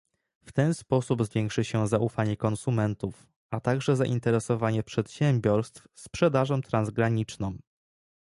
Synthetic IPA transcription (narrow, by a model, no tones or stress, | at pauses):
ft̪ɛnspɔsubzvʲjɛŋkʂɘɕɛzaʔufaɲɛkɔnsumɛnt̪uf | ʔat̪aɡʐɛza̰ʔint̪ɛɾɛsɔvaɲɛpʂɛt̪ɕɛmbʲjɔɾst̪fspʂɛd̪aʐɔmt̪ɾanzɡɾaɲit͡ʂnɔ̃m